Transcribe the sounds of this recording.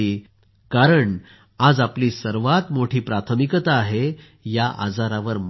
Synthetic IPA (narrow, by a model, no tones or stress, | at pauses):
i | kaɾəɳ | ad͡zapliːsəɾʋat̪moʈʰiːpɾat̪ʰəmikət̪aːɦe | jaʔa̰d͡zaɾaʋəɾm